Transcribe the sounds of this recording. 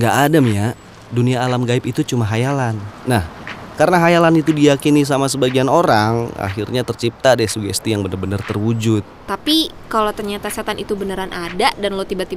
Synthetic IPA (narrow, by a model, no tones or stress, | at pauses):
ŋɡaʔːdamja | duniaːlamɡaɪpit̪ut͡ʃumaɦajalanːahkaɾənaɦajalanit̪udijakinis̬amasəbaɡianoɾaŋa̰ɦirɲat̪ərt͡ʃip̚t̪adɛsuɡɛst̪ijaŋbənərbənərt̪ərwud͡ʒʊt̪̚t̪api | kalawt̪ərɲat̪asat̪anit̪ubənəɾanʔadaʔdanlawt̪ibat̪i